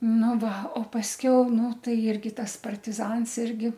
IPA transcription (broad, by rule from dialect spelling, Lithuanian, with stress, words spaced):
ˈnʊ ˈʋɐ oː pɐsʲˈkʲɛʊ ˈnʊ ˈtɐɪ ˈɪrʲɡʲɪ ˈtɐs pɐrʲtʲɪˈzɐns ˈɪrʲɡʲɪ